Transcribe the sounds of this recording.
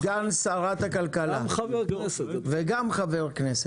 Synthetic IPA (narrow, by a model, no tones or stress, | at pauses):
ɡansaʁat̪hakalkalakveɡamχaveʁkneset